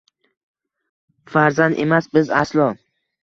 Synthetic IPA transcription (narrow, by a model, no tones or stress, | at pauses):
faɾzand̪emasbɪzaslˠɒ